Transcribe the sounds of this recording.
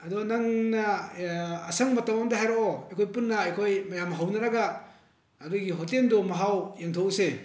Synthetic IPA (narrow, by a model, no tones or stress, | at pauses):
ɐdɔnaŋnɐː | sɐŋmɐtɐmamdɐɦajɾooɐjkʰojpunːɐɐjkʰojmɐjamɦawnɐɾɐɡaː | duɡiɦotendɔmɐɦawjeŋtʰowse